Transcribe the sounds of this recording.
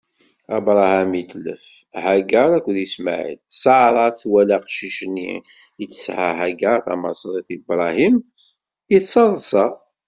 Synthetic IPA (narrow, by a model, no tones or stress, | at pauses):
æbɾˤɑhæmit̪lə̰f | hæɡəɾˤækʷːəðəsma̰ʕḭd̪̚sʕɾˤɑθwælaqʃiʃənːḭ | jət͡sːə̥sʕa̰ɦæɡaθɑ̰mɑ̰sˤɾˤiθibɾˤɑhim | jətsɑðˤsɑ